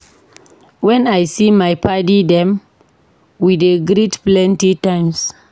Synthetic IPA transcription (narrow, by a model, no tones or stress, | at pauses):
wɛ̃najsimajpʰadidɛ̃m | wideɡɾitplɛ̃ntitãj̃ms